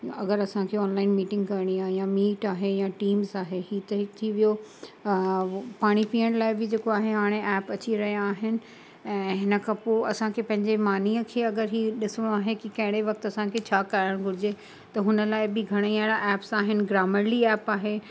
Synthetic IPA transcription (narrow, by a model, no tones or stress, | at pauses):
ɐɡəɾɐsãkʰeɔːnlaːɪnmiːʈɪ̃ŋɡkɐɾɽ̃iaːɦejamiːʈaːɦejaʈiːmzaːɦeɦiːt̪ɐɦɪkt̪ʰiʋijo | paːɽ̃ipiːəɽ̃laːɪbɪd͡ʑeːkoaːɦeɦaːɽ̃eʔɛːpɐt͡ɕiɾɐɦijaːɦɪnɪ̆ | ɛ̃ːɦɪnə̆kʰãpoːɐsãkʰepɐ̃ɦɪ̃ɲd͡ʑemaːniəkʰeːɐɡəɾɦiːɗɪsɽ̃oaːɦekikɐ̃ɦɪ̃ɽ̃eʋɐk̚t̪ɐsãkʰet͡ɕʰaːkaːɾəɽ̃ɡʱʊɾɪd͡ʑe | t̪ɐɦʊnəlaːɪbɪɡʱɐɽ̃iaːɪɽaʔɛːpsaːɦɪnɪ̆ɡɾaːməɾliɛːpaːɦe